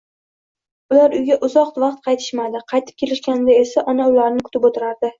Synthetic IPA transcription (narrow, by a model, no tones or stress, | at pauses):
ʊlaɾʊjɡʲaʔʊzɒqt̪vɑqt̪̚qʰɑjt̪ʰɪ̥ʃmad̪ɪqʰɑjt̪ʰɪ̥p̚kʲʰelɪʃkʲanɪd̪ae̞saʔɒnaʊlaɾnɪkʰʊ̥t̪ʰɪpot̪ʰɪɾaɾd̪ɪ